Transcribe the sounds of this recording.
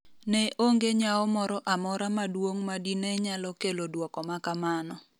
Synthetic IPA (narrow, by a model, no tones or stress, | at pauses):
nɛʔoŋɡeɲaɔmɔɾɔʔamɔɾamadwoŋmadinɛɲalɔkelodwɔkɔmakamanɔ